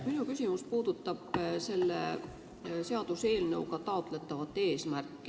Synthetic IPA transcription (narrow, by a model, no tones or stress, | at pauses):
minukysʲimuspuːd̪̥ut̪ːˑɑb̥se̞lːḛ | se̞ɑd̪̥use̞ːlnɤ̞wkɑt̪ɑot̪ˑle̞t̪ːˑɑvɑt̪ːˑe̞ːsmærkːˑi̥